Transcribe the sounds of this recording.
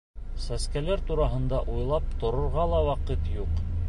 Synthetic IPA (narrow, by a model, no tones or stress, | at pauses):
sæskælæɾt̪uɾɑɦɤ̆nd̪ɑʔujlˠɑp̚t̪ŏɾŏɾʁɑlˠɑwɑqɤt̪juq